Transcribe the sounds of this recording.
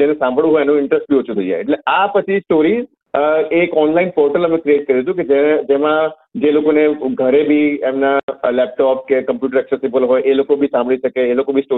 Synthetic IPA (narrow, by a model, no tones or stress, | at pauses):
d͡ʒenesãmbʱɭũɦɔjɛnũɪɳʈɾəsʈ̚bʱiot͡ʃʰũt̪ʰəid͡ʒa̰jḛʈleapət͡ʃʰisʈoɾiz | ekɔnlainpɔɾʈələmẽkɾieʈ̚kəɾiut͡ʃ̪ʰũked͡ʒed͡ʒemã | d͡ʒelokoneɡʱəɾebʱiemnalɛp̚ʈɔp̚kekəmpjuʈəɾɛksesibəlɦojʔelokobʱisãmbəɭiʃəkeːlokobʱisʈo